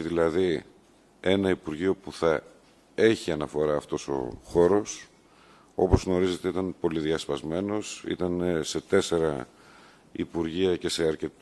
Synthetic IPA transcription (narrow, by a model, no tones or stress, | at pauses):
ðilɐði | e̞nɐipuɾʝio̞puθɐ | e̞çiɐnɐfo̞ɾɐːft̪o̞so̞̰xo̞ɾo̞s | o̞po̞zɣno̞ɾize̞t̪eit̪ɐnpo̞liðiɐspɐzme̞no̞sḭt̪ɐnese̞t̪e̞se̞ɾɐ | ḭpuɾʝiɐce̞se̞ɐɾce̞t̪